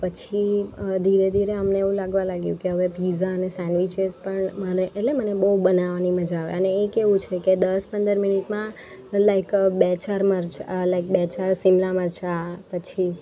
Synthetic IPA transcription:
pət͡ʃʰid̪ʱiɾed̪ʱiɾeəmneːʋũlaɡʋãlaɡjũkeɦəʋepizaənesɛ̃nɖʋit͡ʃezpəɳməneʔeʈlemənebəubənaʋaniməd͡ʒaʋḛəneekeʋũt͡ʃʰeked̪əspə̃nd̪əɾminiʈmã | lajkbɛt͡ʃaɾməɾt͡ʃalaɪk̚bɛt͡ʃaɾsimlaməɾt͡ʃapət͡ʃʰi

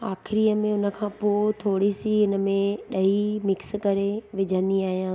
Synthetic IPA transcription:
aːxɪɾiːəmẽʊnə̆kʰãːpoːt̪ʰoːɽisiɪnə̆mẽɗɐimɪkskɐɾeʋɪd͡ʑʱə̃nd̪iaːɦijãː

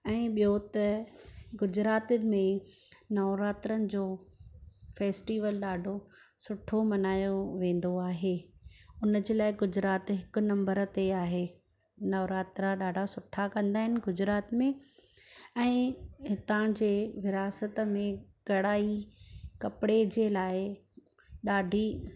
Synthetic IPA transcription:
ɛ̃ːɓijot̪ɐɡʊd͡ʑɾaːt̪əɪ̆mẽnɐːɾaːt̪ɾənɪ̆d͡ʑoː | feːsʈiːʋəlɗaːɖʱosʊʈʰomɐnaːjoʋẽːn̆d̪oaːɦeːʊnə̆d͡ʑeːlaːɪɡʊd͡ʑɾaːt̪ɦɪkʊ̆nɐ̃mbəɾt̪eaːɦeː | nɐːɾaːt̪ɾaɗaːɖʱasʊʈʰakɐ̃nd̪aːɦɪnɪ̆ɡʊd͡ʑɾaːt̪mẽ | ɛ̃ːɦɪt̪ãd͡ʑeːʋɪɾaːsət̪əmẽɡ̥ɐɽaːikɐpɪɽed͡ʑeːlaːɪ | ɗaːɖʱi

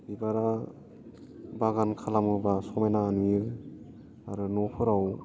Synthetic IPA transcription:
bibaɾa | baɡankʰalamɯbasɔmajnaːnijɯ | aɾɯnɔpʰɯɾaw

